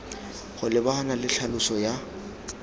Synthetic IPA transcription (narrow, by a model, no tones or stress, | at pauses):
χʊlɪbahanalɪɬʰalʊsɔja